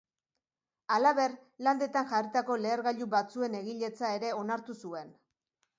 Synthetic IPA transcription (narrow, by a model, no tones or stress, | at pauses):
alaβe̞rland̪e̞t̪anʝarit̪ako̞le̞ːɾɣaʎuβat͡sue̞ne̞ɣiʎe̞t͡sae̞ɾe̞o̞naɾt̪usue̞n